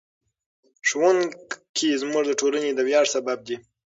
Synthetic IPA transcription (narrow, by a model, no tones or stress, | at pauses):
ʃwankʰizmuʐd̪əʈʰolaned̪əwjɑʐsabab̚d̪i